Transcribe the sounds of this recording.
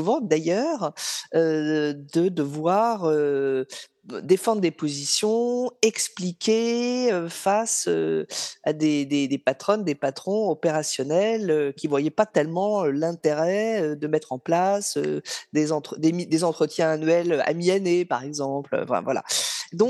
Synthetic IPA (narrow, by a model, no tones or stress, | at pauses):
uvɑ̃d̪ajœʁød̪əd̪əvwaʁø | d̪efɑ̃d̪ʁd̪epozisjɔ̃ɛksplikʲeøfasø̰ad̪ed̪ed̪epat̪χɔnd̪epat̪χɔ̃ɔpeʁasjɔnɛløkʲivwajɛpat̪ɛlmɑ̃ølɛ̃t̪eʁɛød̪əmɛt̪χɑ̃plasød̪ezɑ̃t̪χəd̪emid̪ezɑ̃t̪χət̪jɛ̃anɥɛløa̰mianepaʁɛɡzɑ̃pl̰ɑ̰̃fɛ̰̃vwala̰d̪ɔ̃k